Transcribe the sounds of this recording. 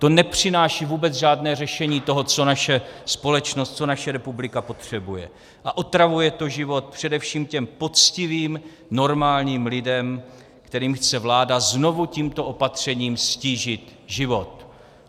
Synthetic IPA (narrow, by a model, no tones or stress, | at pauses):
t̪o̞nɛpr̥ɪnaːʃiːvuːbɛt͡sʒaːdnɛːr̝ɛʃɛɲiːt̪o̞ɦot͡so̞naʃɛspo̞lɛt͡ʃnost̪̚t͡so̞naʃɛɾɛpublɪkapo̞t̪r̝̥ɛbujɛ̰ | ʔaʔot̪ɾavujɛt̪o̞ʒɪvo̞t̪̚pr̝̥ɛdɛfʃiːmcɛmpo̞t͡scɪviːm | no̞ɾmaːlɲiːmlɪdɛm | kt̪ɛɾiːmxt͡sɛvlaːdazno̞vuciːmt̪o̞ʔo̞pat̪r̝̥ɛɲiːmsciːʒɪt̪ʒɪvo̞t̪